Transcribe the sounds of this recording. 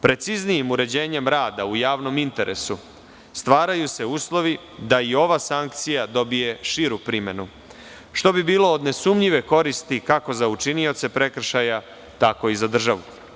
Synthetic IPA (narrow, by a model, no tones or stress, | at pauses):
pɾe̞t̪siznijimuɾe̞d͡ʑe̞ːɲe̞mɾaːd̪aujaːʋno̞mint̪e̞ɾe̞̰su | st̪ʋaːɾajuse̞uːslˠo̞ʋi | d̪aio̞ʋasaŋk̚t̪sijad̪o̞bije̞ʃiɾupɾime̞nu | ʃt̪o̞bibiːlo̞ːd̪ne̞sumʎiʋe̞ko̞ɾist̪ikako̞zaut͡ʃinio̞t̪se̞pɾe̞kr̩ʃaja | t̪ako̞izad̪r̩ʒaʋu